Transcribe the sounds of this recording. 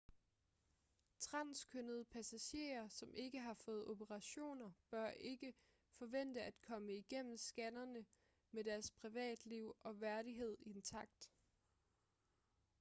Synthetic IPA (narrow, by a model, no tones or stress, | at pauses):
t͡sʰʁɑ̈n̰skʰønəð̞ˠpʰæsæɕe̝̰ːɐsɒ̽mʔe̝ɡ̥əɦɑ̈fɔ̽ːð̩ˠo̝bəʁɑ̈ɕo̝̰ːnɐb̥ɶɐ̰ʔe̝ɡ̥ə | fɒ̽ʋen̰d̥əæd̥kʰɒ̽məiɡ̥en̰m̩sɡ̥ænɐnə | med̥æɐspʰʁiʋɛ̰ːd̥liʊ̰ʔɒ̽ʋæɐɾiɦe̝ð̞̰ˠient͡sʰɑ̈ɡ̥̚d̥